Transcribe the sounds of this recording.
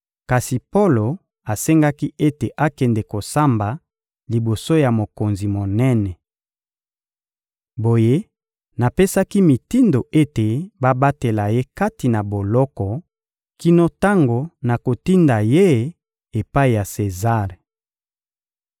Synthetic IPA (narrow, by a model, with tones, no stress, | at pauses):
ka˨si˨po˦lo˨ | a˨se˦ŋɡa˦ki˦ʔe˦te˨ʔa˦kɛ˨ndɛ˨ko˨sa˦mba˨ | li˨bo˨so˦ja˨mo˨ko˨nzi˨mo˨nɛ˦nɛ˨ | bo˨je˦ | na˨pe˦sa˦ki˦mi˨ti˦ndo˨ʔe˦te˨ba˦ba˦te˨la˨je˦ka˦ti˨na˨bo˨lɔ˦kɔ˨ | ki˦no˦ta˦ŋɡo˨na˨ko˨ti˦nda˨je˦ | e˨pa˦i˨ja˨se˨za˦˨ʁ